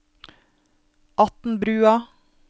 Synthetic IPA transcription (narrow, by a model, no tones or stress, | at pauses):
ʔɑt̪n̩bɾʉːɑ